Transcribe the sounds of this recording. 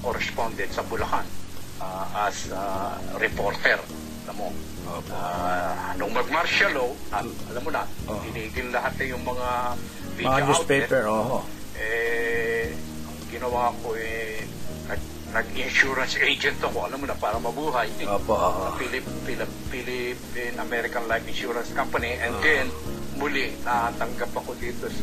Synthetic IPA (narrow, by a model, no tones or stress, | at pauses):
koɾɛspond̪ɛt̪̚sɐbʊlɐhanʔaʔɐsaɾɛpoɾt̪ɛɾ | ʔɐlamːo | oa | nʊŋmɐɡ̚maɾʃaloaʔɐlamːonɐbɪniːɡɪnlɐɦat̪ɐjʊŋmɐŋa | viuaswpepɛoho | ʔɛ | ʔɐŋɡɪnɐwaːɐko̞ʔɛ | nɐɡ̚ | nɐɡɪnʃuɾɐnsʔed͡ʒɛnt̪ɐkoʔɐlamonɐpaːɾɐmɐbuːɦɐjoːpoɐpilɪpːilɪːilɪpɪnʔɐmɛɾɪkɐnlajfɪnʃuːɾɐnskampɐniʔɛnd̪ɛnmʊlɪnɐt̪ɐŋɡapːɐkod̪iːt̪os